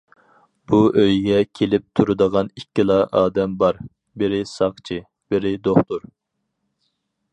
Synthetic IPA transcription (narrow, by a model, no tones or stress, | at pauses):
b̥uʔøjɡʲɛkʲʰelɪp̚t̪ʰuɾud̪əʁɑnikʲːilˠɑʔɑːd̪ɛmbɑɾ | bɪɾɪsɑχt͡ʃʰɨ | b̥ɪɾɪd̪oχt̪uɾ